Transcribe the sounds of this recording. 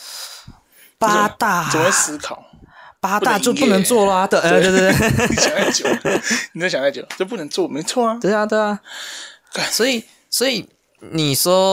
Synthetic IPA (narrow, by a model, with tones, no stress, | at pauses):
pa˥t̪a˥˩˨e˥sɹ̩˧˥kʰɑ˨˩˦ʊpa˥t̪a˥˧t͡ɕjo˥˧ʊpu˥˩nə˧˦˥ŋt͡swɔ˥˩lə˨˩˨t̪ə˥˩˥t̪t̪t̪ɕŋa˥˩t͡ɕjo˨˦ni˨˩t͡ɕɕjɑ˨˦˥a˥˩jo˨˩˦t͡ɕjo˥˧p̬u˥˩˧ŋt͡swɔ˥˩me˧˥ɪt͡sʰwɔ˥˩ɐ˨˩we˥˩ɪa˧t̪we˥˩ɪa˩˥˩ | swɔ˧˥i˨˩ | swɔ˧˥i˨˩ | ni˨˩ʂwɔ˥